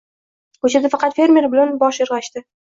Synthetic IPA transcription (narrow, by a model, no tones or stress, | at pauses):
kɵt͡ʃʰad̪afɑqɑt̪fe̞ɾmʲe̞ɾbɪlanbɒʃɪɾʁɑʃt̪ɪ